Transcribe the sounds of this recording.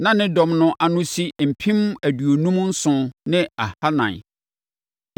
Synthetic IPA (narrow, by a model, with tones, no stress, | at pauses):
nã˦nɪ̃˦dɔ̃˨mnʊ̃˨ʔa˨nʊ̃˦si˦m̩˨pʰĩ˦mæ˨du˨o˨nũ˦m˦n̩˦sʊ̃˨nɪ̃˦a˨ha˦nã̰˨n˨